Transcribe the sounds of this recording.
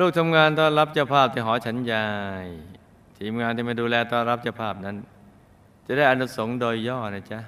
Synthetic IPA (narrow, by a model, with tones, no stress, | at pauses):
luː˥˩k̚t̪ʰa˧mŋaː˧nt̪ɔː˥˩nɾa˦˥p̚t͡ɕʰa˧˩wpʰaː˥˩p̚t̪ʰiː˥˩ɦɔː˩˦t͡ɕʰa˦˥njaː˧j | t̪ʰiː˩˦mŋaː˧nt̪iː˥˩ma˥˩jduː˧lɛː˧t̪ɔː˥˩nɾa˦˥p̚t͡ɕʰa˧˩wpʰaː˥˩p̚na˦˥n | t͡ɕa˨˩da˥˩jʔa˧nu˦˥so˩˦ŋdoː˧jːɔː˥˩na˥˩t͡ɕa˦˥ʔ